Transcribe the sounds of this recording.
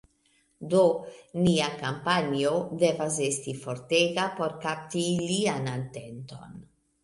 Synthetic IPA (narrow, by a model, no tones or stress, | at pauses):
do̞niakampaniode̞vas̬estifo̞ɾteɡapo̞ɾkap̚tilianante̞nto̞̰n